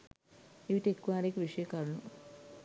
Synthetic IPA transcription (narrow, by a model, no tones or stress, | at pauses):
iʋitʈekːuʋaːɾeːkʋiʂɐjɐkɐɾɐɳu